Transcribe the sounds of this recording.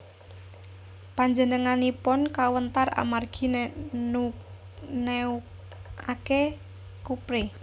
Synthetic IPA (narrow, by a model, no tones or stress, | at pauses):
paɲd͡ʒənəŋanipɔnkawənt̪ara̰marɡ̥i̤ | u | ne | ake | kupɾe